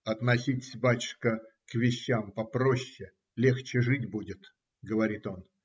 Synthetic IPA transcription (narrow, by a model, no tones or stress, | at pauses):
ɐt̪nɐsʲitʲɪ̥sʲbatʲɪ̥ʂkəkvʲɪɕːampɐpɾoɕːɪ | lʲext͡ɕɪʐɨtʲbudʲɪt̪ | ɡəvɐɾʲit̪o̞n